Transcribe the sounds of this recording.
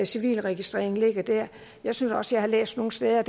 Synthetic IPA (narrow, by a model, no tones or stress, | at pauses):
siʋḭːlʁɛɡ̥isd̥ʁɛ̰ɐeŋ̩le̝ɡ̥ɐd̥æɐ̰ | jɑ̈ɪsynsɒ̽səjɑ̈ɪhɑ̈lḛːsd̥no̝ːŋ̩n̩sd̥eːð̞ˠɐd̥